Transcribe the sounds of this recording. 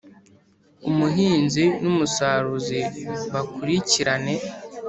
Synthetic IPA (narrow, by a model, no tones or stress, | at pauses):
umuɦiːnzinumusaɾuziβakuɾiciɾane̞